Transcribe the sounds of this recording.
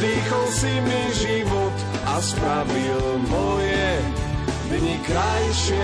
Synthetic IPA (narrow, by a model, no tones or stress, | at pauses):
ɾiːxɔlsimiʒivɔt̪ | aspɾavil | mɔjɛ | vɲikɾajʃɪɛ